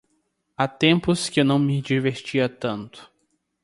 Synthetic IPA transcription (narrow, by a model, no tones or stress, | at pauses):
at̪ẽmpʊskɪewnɐ̃w̃mɪd͡ʒiveɾt͡ʃiɐt̪ɐ̃nt̪ʊ̥